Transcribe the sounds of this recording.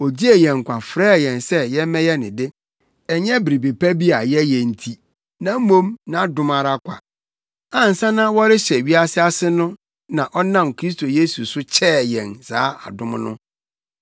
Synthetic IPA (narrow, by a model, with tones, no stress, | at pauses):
ɔ˨d͡ʑi˦e˨jɛ̃˨ŋ̩˨kʷʰa˨fɾɛː˦˨jɛ̃˨nsɛ˦jɛ˦mɛ̃˦jɛ˦nɪ̃˨dɪ˦ | ɛ˨ɲɛ̃˦bi˨ɾi˨be˨pʰæ˦bi˦a˨jɛ˦jɛ̃˨n̩˨tʰi˦ | nã˦m̩˦mõ˦mnã˨˦dʊ̃˨ma˨ɾa˦kʷʰa̰˨ | ã˦n̩˨sã˦nã˦wɔ˦ɾɪ˦ɕɛ˨ɥi˦a˦sɪ˦a˦sɪ˦nʊ̃˦ | nã˨ʔɔ˦nã˦˨mkʰɾi˦s̬tʰo˨je˦su˨sʊ˦t͡ɕʰɛː˦˨jɛ̃˨nsaː˨˦a̰˨dʊ̃˦m˦nʊ̰̃˦